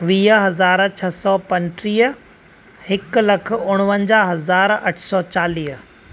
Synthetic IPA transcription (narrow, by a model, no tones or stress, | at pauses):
ʋiːɦɐzaːɾt͡ɕʰɐsɔːpɐ̃nʈɾiːɦ | hɪklɐkʰʊɽ̃ʊʋə̃ɲd͡ʑaɦɐzaːɾɐʈʰsɔːt͡ɕaːliːɦ